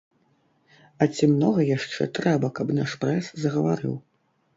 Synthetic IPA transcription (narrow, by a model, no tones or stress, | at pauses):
ɐt͡sʲimnɔɣɐjaʂt͡ʂɛ̰t̪ɾɛbɐkɐpnaʂpɾɛszɐɣɐvaɾɨ̰w